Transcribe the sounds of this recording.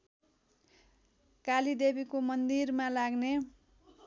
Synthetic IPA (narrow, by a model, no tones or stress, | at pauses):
kalid̪ebikomʌnd̪irmalaɡne